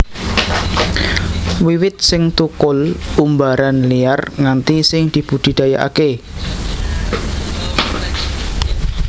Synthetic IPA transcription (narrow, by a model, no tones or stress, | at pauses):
wiwɪt̪̚sɪŋt̪ukʊlumbaɾanlijarŋant̪isɪŋd̪̥i̤b̥ud̪̥i̤d̪̥ajaʔa̰ke